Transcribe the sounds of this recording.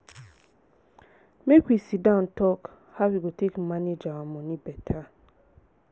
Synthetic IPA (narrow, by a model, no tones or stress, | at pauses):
mekwisidãʊ̃ntɔk | hawiɡotʰekmaned͡ʒaamɔ̃nĩbɛtʰa